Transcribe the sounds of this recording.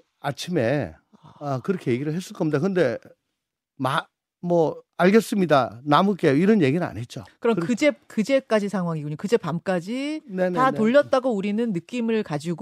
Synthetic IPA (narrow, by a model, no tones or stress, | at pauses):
at͡ɕʰimḛ | akɯɾʌkʰe̞je̞ɡiɾɯɭɦes͈ɯɭkʌmd̪akɯnde̞ | ma | mwʌaɭɡes͈ɯmɲidanamuk͈eiɾʌnje̞ɡinɯna̰nɦe̞t̚t͡ɕ͈okɯɾʌmkɯd͡ʑe̞kɯd͡ʑe̞k͈ad͡ʑisʰaŋɦwaŋiɡoɲokɯd͡ʑe̞pamk͈ad͡ʑinentatoʎːʌt̚t͈aɡouɾinɯnːɯk͈imɯɭkad͡ʑiɡ